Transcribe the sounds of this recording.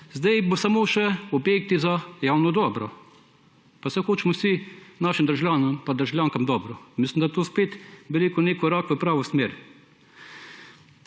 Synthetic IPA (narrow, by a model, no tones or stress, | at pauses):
zd̪ɛjbosamoːʃɛɔbjek̚t̪izajawnɔd̪ɔːbɾɔ | pawsɛxoːt͡ʃmɔsinaʃimd̪ɾʒljaːnɔmpad̪əɾʒawljaːŋkamd̪ɔːbɾɔmislimd̪at̪oːspeːt̪bɛɾeːkɔneːkɔɾakʋəpɾaːʋɔsmeːɾ